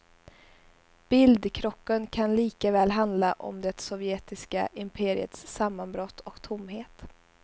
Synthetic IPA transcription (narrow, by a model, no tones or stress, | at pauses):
b̥ɪld̪kʰɾɔkːənkʰanliːkavɛːlɦand̪laʔɔ̰md̪ɛt̪sɔvjeːt̪ɪska̰ʔɪmpʰeːɾɪ̰ə̰t̪ssamːanbɾɔt̪ʰːɔkt̪ʰʊmːɦeːt̪